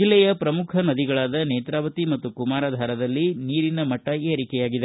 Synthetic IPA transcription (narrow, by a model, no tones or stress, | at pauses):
d͡ʒilːɛjɐpɾɐmukʰɐnɐd̪iɡɐɭaːd̪ɐneːt̪ɾaːʋɐt̪imɐt̪ːukumaːɾaːd̪ʱaːɾɐd̪ɐlːiniːɾinɐmɐʈːɐeːɐɾikɛjaːɡid̪e